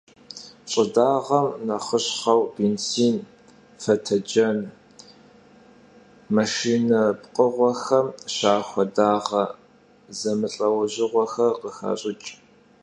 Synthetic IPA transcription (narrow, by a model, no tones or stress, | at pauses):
ɕʼɪdaːʁɐmnɐχəɕχɐwbeːnt͡sʰiːn | fɐtʰɐd͡ʒɐn | mɐʃiːnɐpqʼəʁʷɔxɐmʃaːxʷɔdaːʁɐ | zɐmɨɬʼɐwɐʒɪʁʷɔxɐqəxa̰ːɕʼɪt͡ʃʼ